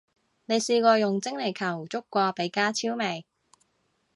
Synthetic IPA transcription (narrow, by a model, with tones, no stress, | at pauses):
ne˨˧jsiː˧kʷɔː˧jʊ˨˩ŋt͡sɪ˥ŋle˨˩jkʰɐ˨˩wt͡sʊ˥kːʷɔː˧pe˨˧˥jkaː˥t͡sʰiː˥wme˨˩j